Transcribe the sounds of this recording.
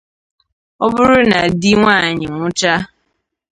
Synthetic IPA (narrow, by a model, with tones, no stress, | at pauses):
ɔ˦bʊ˦ɾʊ˦na˨di˦ŋʷa˦˨ɲɪ˨ŋʷʊ˦t͡ʃa˦